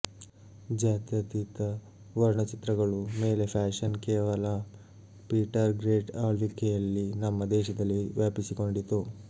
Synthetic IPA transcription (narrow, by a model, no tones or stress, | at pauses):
d͡ʒaːt̪jɐt̪it̪ɐ | ʋɐɾɳɐt͡ʃit̪ɾɐɡɐɭume̞ːle̞pʰaːʂɐnkeːʋɐlɐ | piːʈɐɾɡɾeːʈaːɭʋikːejɐlːinɐmːɐd̪ɛːʃɐd̪ɐlːiʋjaːpisiko̞ɳɖit̪ːu